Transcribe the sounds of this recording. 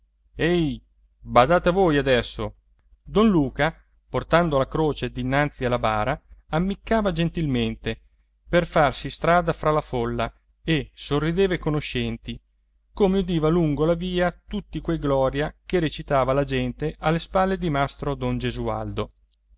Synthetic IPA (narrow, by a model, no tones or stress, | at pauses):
ɛj | bad̪aːt̪avoːjad̪ɛsːo | d̪ɔnluːka | port̪and̪olakɾoːt͡ʃed̪inːant̪sialːabaːɾaamːikːaːvad͡ʒent̪ilment̪e | perfarsist̪ɾaːd̪afɾalafolːa | esorːid̪eːvaekonoʃɛnt̪i | koːmeud̪iːvaluŋɡolaviːat̪ut̪ːikwejɡlɔːɾjakeɾet͡ʃit̪aːvalad͡ʒɛnt̪eʔalːespalːed̪imast̪ɾod̪ɔnd͡ʒezua̰ld̪o